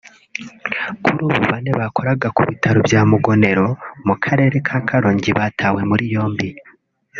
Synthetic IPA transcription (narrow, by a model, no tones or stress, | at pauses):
kʰuɾuːβṵβaneβakʰo̞ɾaɡakuβitʰaɾobjaːmuɡo̞ne̞ɾo̞mukʰaɾe̞ːɾe̞kʰaːkʰaɾoːɲɟiβaːtʰawe̞muɾijo̞ːmbi